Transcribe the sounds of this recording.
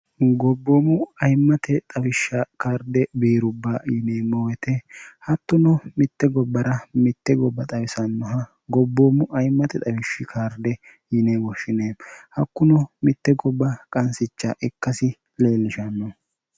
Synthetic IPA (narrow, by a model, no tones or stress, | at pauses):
ɡɔbːoːmʊɐjmːɐt̪ɛt̪ʼɐwɪʃːɐkaːɾd̪ɛbiːɾʊbːaːjɪneːmɔwɛt̪ɛhɐt̪ːʊnɔmɪt̪ːɛɡɔbːɐɾɐmɪt̪ːɛɡɔbːɐt̪ʼɐwɪsɐnːɔɦɐ | ɡɔbːoːmʊʔɐjmːɐt̪ɛt̪ʼɐwɪʃːɪkʰaːɾd̪ɛ | jɪneːwɔʃɪneːhɐkːʊnɔmɪt̪ːɛɡɔbːɐkʼɐnsɪt͡ʃːɐʔɛkːɐsɪ | le̞ːlːɪʃɐnːɔ